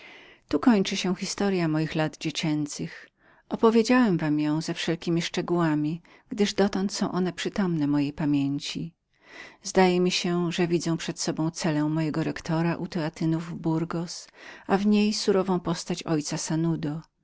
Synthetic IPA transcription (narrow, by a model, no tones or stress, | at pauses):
t̪ukɔɲt͡ʂɘɕɛ̃xʲist̪ɔɾjamɔjixlad̪d͡ʑet͡ɕɛnt̪sɘx | ʔɔpɔvʲjed͡ʑawɛmvamjɔ̃w̃zɛfʂɛlkʲimʲiʂt͡ʂɛɡuwamʲi | ɡ̥d̪ɘʐd̪ɔt̪ɔnt̪sɔ̃w̃ʔɔnɛpʂɘt̪ɔmnɛmɔjejpamʲeɲt͡ɕi | zd̪ajɛmʲiɕɛʐɛvʲid̪zɛ̃w̃pʂɛt̪sɔbɔ̃w̃t̪sɛlɛ̃w̃mɔjɛɡɔɾɛkt̪ʰɔɾaʔut̪ɛat̪ɘnuvbuɾɡɔsavɲejsuɾɔvɔ̃w̃pɔst̪at͡ɕɔjt̪sasanud̪ɔ